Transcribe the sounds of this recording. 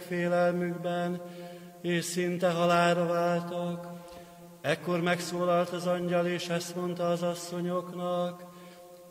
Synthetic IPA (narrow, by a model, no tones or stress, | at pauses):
feːlɛlmyɡbɛn | eːʃsint̪ɛɦɒlaːɾɒvaːlt̪ok | ɛkːo̞rmɛksoːlɒlt̪ɒzɒɲɟɒleːʃɛst̪mo̞nt̪ɒːzɒsːoɲoknɒk